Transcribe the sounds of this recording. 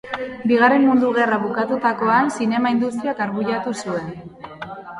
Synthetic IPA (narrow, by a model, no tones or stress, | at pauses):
biɣ̞are̞mmund̪uɣ̞e̞raβukat̪ut̪ako̞ansine̞maind̪ust̪iakaɾɣuʎat̪usue̞n